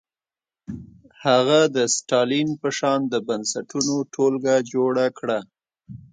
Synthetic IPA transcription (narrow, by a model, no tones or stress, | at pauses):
haɣad̪əsʈɑlinpəʃɑnd̪əbansaʈunoʈʰolɡad͡ʒoɽakɽa